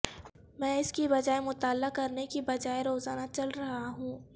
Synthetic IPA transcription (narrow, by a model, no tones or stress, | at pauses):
mɛ̃ːɪskibɐd͡ʒaːemʊt̪aːlːakɐɾnekibɐd͡ʒaːeɾoːzaːnat͡ʃɐlɾɐɦaɦũː